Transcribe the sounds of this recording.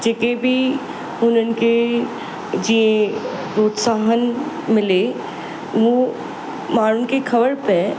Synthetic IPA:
d͡ʒekebʱi | ʊnənke | d͡ʒiẽ | pɾoːt̪saːɦən | mɪle | ʋo | maːɾʊnkekʰɐbəɾpe

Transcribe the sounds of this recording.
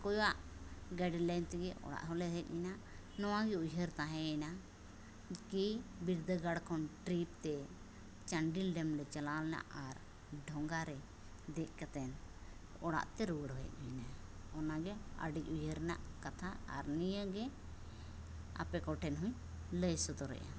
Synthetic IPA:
kɔjwaʔɡaɖlajnt̪ɛɡɛʔɔ̰ɽa̰ʔɦɔlɛɦɛc̪̚ˀmina | nɔwaɡɛujɦəɾt̪aɦɛ̃ɛna | kibiɾd̪əɡaɽkʰɔnʈɾip̚t̪ɛ | t͡ʃaɳɖilɖɛmɾɛt͡ʃalalɛna̰ʔaɾ | ɖʱɔŋɡaɾɛ | d̪ɛʔ̚ˀkat̪ɛn | ɔɽa̰ʔt̪ɛɾuɡəɽɦɔjɛ̰t̪̚ˀinaɔnaɡɛə̰ɖic̚ujɦəɾɛna̰ʔkat̪ʰaa̰ɾnijəɡɛ | a̰pɛkɔʈɛnɦũɲ | ləjsɔt̪ɔɾɛ̰ʔa̰

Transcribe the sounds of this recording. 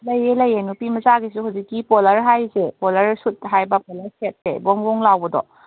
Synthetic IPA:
lɐjelɐjenupimɐzaɡisuɦawzikːipɔlɐɾɦajzepolɐɾsut̚ɦajbɐpɔlɐɾset̚sḛbɔŋbɔŋlawbɐdɔ̰

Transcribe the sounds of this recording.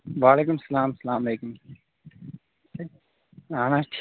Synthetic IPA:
ʋaːleːkumsɐlaːmsɐlaːmɐleːkum | anãʈʰ

